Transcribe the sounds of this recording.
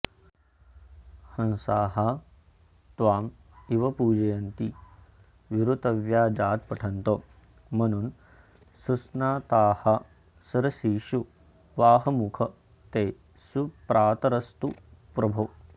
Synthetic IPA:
hɐnsaːɦa | t̪ʋaːm | iʋɐpuːd͡ʒɐjɐnt̪i | ʋiɾut̪ɐʋjaːd͡ʒaːt̪̚pɐʈʰɐnt̪o | mɐnun | susnaːt̪aːha | sɐɾɐsiːʃu | ʋaːɦɐmukʰɐ | t̪eː | supɾʔaːt̪ɐɾɐst̪upɾɐbʱoː

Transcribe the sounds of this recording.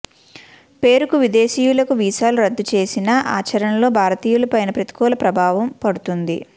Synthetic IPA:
pe̞ːɾukuʋid̪e̞ːʃiːjulɐkuʋiːʃaːluɾɐd̪ːut͡ʃe̞ːsinɐʔa̰ːt͡ʃɐɾɐnɐlo̞ːbʱaːɾɐt̪iːjulɐpɐjnɐpɾɐt̪i̥kɔːlɐpɾɐbʱaːʋɐmpɐɽut̪und̪ḭ

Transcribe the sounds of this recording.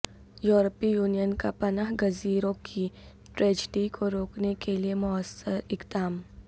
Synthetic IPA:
juːɾəpijuːnijənkapɐnaɦɡɐziːɾõkʰi | ʈɾeːd͡ʒɖikʰoɾoːknekeliemʊəsəɾɪkd̪aːm

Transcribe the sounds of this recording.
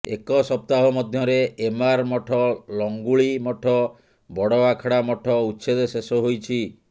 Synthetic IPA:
ḛkɔsɔp̚t̪aɦɔmɔd̪ʱjɔɾeʔemaɾmɔʈʰɔlɔŋɡuɭimɔʈʰɔ | bɔɽɔakʰɔɽamɔʈʰɔutːsʰed̪esesɔɦojt͡ʃʰi

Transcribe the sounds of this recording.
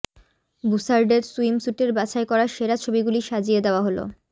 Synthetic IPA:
busaɾɖeɾsuimsuʈeɾbat͡ɕaekɔɾaʃeɾat͡ɕʰobiɡuliʃad͡ʑied̪eoaɦolo̰

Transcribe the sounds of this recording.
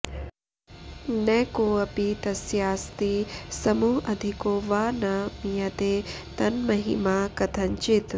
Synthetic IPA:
nɛːkoːɐpit̪ɐsjaːst̪isɐmuːɦɐd̪ʱikoːʋaːnamijɐt̪eːt̪ɐnmɐɦḭmaːkɐt̪ʰɐɲt͡ʃit̪

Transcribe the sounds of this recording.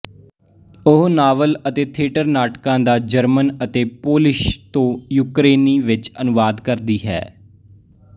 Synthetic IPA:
ʊɦnaːʋələt̪eːt̪ʰeːʈəɾnaːʈkãːd̪aːd͡ʒəɾmənət̪eːpoːlɪʃt̪õːjuːkɾeːniːʋɪt͡ʃənʊʋaːd̪kəɾd̪iːɦɛ̰ː

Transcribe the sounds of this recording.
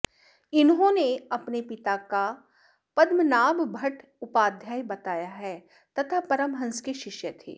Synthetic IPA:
ɪnɦõneɐpnepɪt̪aka | pɐd̪mənaːmbʱɐʈ | ʊpaːd̪ʱjaːjbɐt̪aːjaɦɛ | t̪ɐt̪ʰapɐɾəmɦɐ̃nskeʃɪʃjət̪ʰḛː

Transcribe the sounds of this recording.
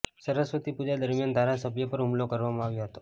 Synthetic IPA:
səɾəsʋət̪ipud͡ʒad̪əɾmjand̪ʱaɾasəbʱjəpəɾɦumlokəɾʋamãaʋjoɦət̪o

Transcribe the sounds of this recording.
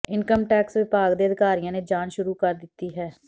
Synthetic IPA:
ɪnkəmʈɛːksʋɪpaːɡd̪eəd̪ʱɪkaːɾijãːned͡ʒaːnʃʊɾuːkəɾd̪ɪt̪ːiːɦɛː

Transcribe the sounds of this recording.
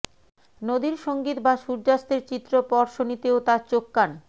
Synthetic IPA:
nod̪iɾʃoŋɡit̪baʃuɾd͡ʑast̪eɾt͡ɕit̪ːɾopɔɾʃonit̪eot̪at͡ɕokːan

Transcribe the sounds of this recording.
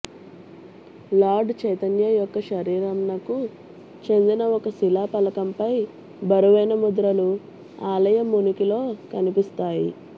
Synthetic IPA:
laːɾɖt͡ʃɐjt̪ɐnjɐjɔkːɐʃɐɾiːɾɐmnɐku | t͡ʃe̞nd̪inɐɔkɐsilaːpɐlɐkɐmpɐj | bɐɾuʋɐjnɐmud̪ɾɐlu | aːlɐjɐmːunukilo̞ːkɐnipist̪aːji

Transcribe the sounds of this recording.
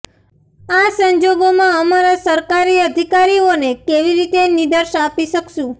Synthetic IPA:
asəɲd͡ʒoɡomãəmaɾasəɾkaɾiəd̪ʱikaɾionekeʋiɾit̪enid̪əɾʃapiʃəkʃũ

